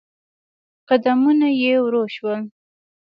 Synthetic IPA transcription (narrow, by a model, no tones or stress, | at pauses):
qad̪amunajewɾoʃwəl